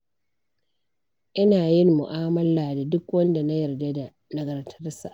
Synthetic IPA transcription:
ʔɪ˦naː˨jɪ˦nmʊ˨ʔaː˦mɐ˦laː˨da˨dʊ˦kwɐ˦nda˨na˦jɐ˨rda˦da˨ | na˦ɡɐ˨rtʰɐ˦rsa̰˨ʔ

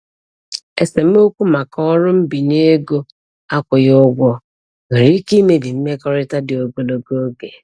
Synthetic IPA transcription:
e˨se˨m̩˦o˦kʷu˦ma˨kɔ˦ɾʊ˦m̩˦bi˨ɲe˦ɡo˦ | a˦kʷʊ˨jʊ˦ɡʷɔ˦ | ŋ̩˨ɾi˦ki˦me˨di˨m̩˦me˦kɔ˦ɾɪ˦ta˦dɪ˨o˨ɡo˨lo˨ɡo˦ɡe˨

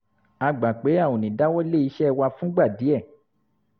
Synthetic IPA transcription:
a˧ɡ͡ba˨k͡pe˨˦a˦˨o˨nĩ˨da˦wɔ˦le˦˨i˨˦ʃɛ˦˧wa˧fũ˦ɡ͡ba˦˨di˨˦ɛ˦˨

